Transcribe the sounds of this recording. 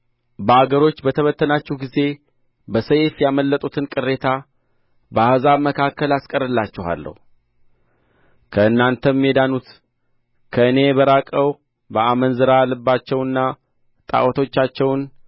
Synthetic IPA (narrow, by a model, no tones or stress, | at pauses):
bəaɡəɾo̞t͡ʃːbət̪ʰəβət̪ʰːənat͡ʃːɛhɡize̞ | bəsəjfjaməlːət̪ʼut̪ʰɨnkʼɨrːe̞t̪ʰa | bəahzaβməkʰakːəlaskʼəɾɨlːat͡ʃːɛha̰lːə̰hu | kʰəɨnːant̪ʰəmːjed̪anut̪ | kʰəɨne̞bəɾakʼəw | bəamənzɨɾalːəbːat͡ʃːɛwɨnːa | t̪ʼa̰ʔwɔt̪ʰo̞t͡ʃːat͡ʃːɛwn